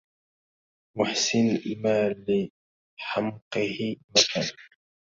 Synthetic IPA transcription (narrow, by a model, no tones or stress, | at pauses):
mʊħsɪnmaːlɪ | ħamqɨhɪmakal